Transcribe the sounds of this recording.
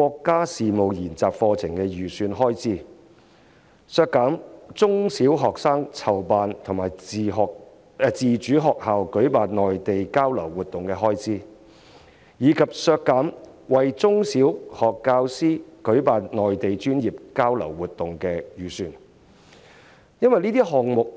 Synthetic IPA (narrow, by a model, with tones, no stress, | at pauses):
kɔː˧kːaː˥siː˨mo˨wjiː˨˩nt͡saː˨k̚fɔː˧t͡sʰɪ˨˩ŋkɛː˧jyː˨˩syː˧nɦɔː˥jt͡siː˥ | sœː˧kːaː˨˥mt͡sʊ˥ŋsiː˨˥wɦɔː˨ksaː˥ŋt͡sʰɐ˨˩wpaː˨nt̪ʰʊ˨˩ŋmaː˨jɔː˨k̚ | t͡siː˨t͡ʃyː˨˥ɦɔː˨k̚haː˨wkɵ˨˥ɥpaː˨nnɔː˨jt̪e˨jkaː˥wlɐ˨˩wːuː˨˩t̪̚ʊ˨ŋkɛː˧ɦɔː˥jt͡siː˥ | jiː˨˧kʰɐ˨p̚sœː˧kːaː˨˥m | wɐ˨jt͡sʊ˥ŋsiː˨˥whɔː˨kːaː˧wsiː˥kɵ˨˥ɥpaː˨nnɔː˨jt̪e˨jt͡ʃyː˥njiː˨p̚kaː˥wlɐ̰˨˩wːuː˨t̚t̪ːʊ˨ŋkɛː˧jyː˨syː˧n | jɐ˥nwɐ˨jniː˥t̪iː˥ɦɔː˨ŋ̚mʊ˨k̚